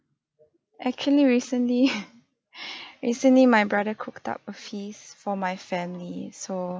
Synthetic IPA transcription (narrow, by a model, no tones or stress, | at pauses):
ʔɛk̚t͡ʃuəliɹisə̃nli | ɹisə̃nlimajbɹadəkʰʊkta̰p̚əfisfɔmajfɛ̃mliso